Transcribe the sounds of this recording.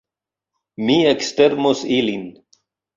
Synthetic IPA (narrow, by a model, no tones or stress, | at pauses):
miɐkst̪eɾmosilin